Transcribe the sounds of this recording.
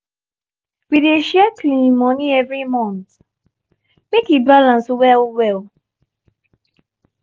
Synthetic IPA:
wideʃɛklĩmɔniɛvɹimɔ̃nt | mekibalãnswɛlwɛl

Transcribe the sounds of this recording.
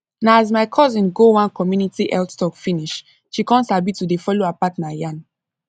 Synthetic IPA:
naazmaɪkʰɔzĩnɡowãnkɔmjunitiʔɛltstɔkfĩniʃ | ʃikɔ̃nsabitudefɔloapatnajãn

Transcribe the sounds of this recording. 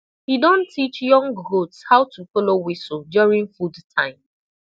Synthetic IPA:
hidõntʰit͡ʃjɔ̃ŋɡɡotshaʊtʰufɔlowisodjɔɹĩŋfudtʰãɪ̃m

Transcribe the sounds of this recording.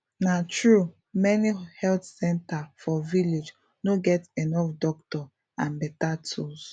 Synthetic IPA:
natɹu | mɛnihɛltsɛ̃ntafɔviled͡ʒ | noɡɛtenɔfdɔktɔ | ãnbɛtatʰus

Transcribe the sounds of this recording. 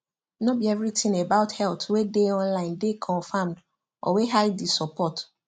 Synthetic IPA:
nobiɛvɹitʰĩnebaʊthɛltwedeɔ̃nlãɪ̃ndekʰɔ̃nfãmd | ʔɔ̰weɦaɪdisɔpɔt

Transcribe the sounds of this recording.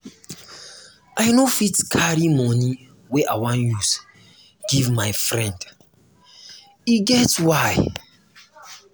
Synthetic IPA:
ʔaɪnofitkʰaɾimɔni | weʔawãnjus | ɡ̥ivmaɪfɾɛ̃nd | iɡɛtwaj

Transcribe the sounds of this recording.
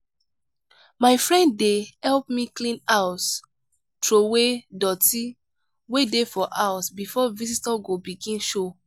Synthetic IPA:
maɪfɹɛ̃nddehɛlpmiklĩnaws | tɹowedɔti | wedefɔʔawɔsbifɔvisitaɡobiɡĩnʃo

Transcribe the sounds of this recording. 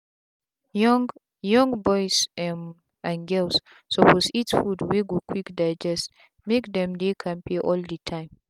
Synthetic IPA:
ŋ | jɔ̃ŋbɔjsɛm | ãnɡɛlsː | ɔpɔsitsfudwiɡudkʰwikdaɪd͡ʒɛst | mekdɛ̃mdekʰãmpʰiʔɔldətʰãɪ̃m

